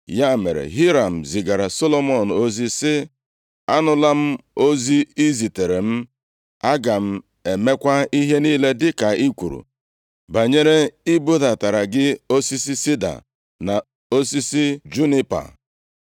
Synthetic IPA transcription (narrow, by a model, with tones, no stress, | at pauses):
ja˦mḛ˨ɾḛ˨ɦi˦ɾa˨m̩˨zi˨ɡa˨ɾa˨so˦lo˦mɔ˨n̩˨o˦zi˦sɪ˦ | a˦nʊ˦la˦m̩˦o˦zi˦i˦zi˨te˨ɾe˨m̩˦ | a˦ɡa˨m̩˦ | e˨me˦kʷa˦i˦ɦe˦niː˦le˦dɪ˦ka˨ʔi˦kʷu˨ɾṵ˨ | ba˨ɲe˦ɾe˦i˦bo˦da˨ta˨ɾa˨ɡɪ˦o˦si˦si˦si˦da̰˨ | na˨ | o˦si˦si˦d͡ʒu˦ni˦pa̰˨